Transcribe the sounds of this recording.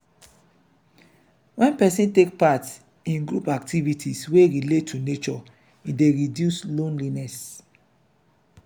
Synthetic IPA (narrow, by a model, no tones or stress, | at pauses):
wɛ̃npɛsĩntek̚pat | ĩnɡɹupak̚tʰivitʰisweɹiletʰːunet͡ʃɔ | ideɹidjuslõnlinɛs